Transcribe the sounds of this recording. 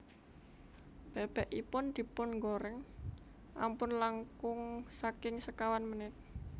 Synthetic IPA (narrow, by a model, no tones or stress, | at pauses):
b̥eb̥ɛʔipʊnd̪̥i̤pʊnŋɡoɾɛŋ | ʔa̰mpʊnlaŋkʊŋsakɪŋsəkawanmənɪt̪̚